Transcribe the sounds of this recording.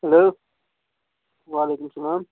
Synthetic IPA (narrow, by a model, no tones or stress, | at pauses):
ɦɐloː | waːleːkʊmsɐlaːm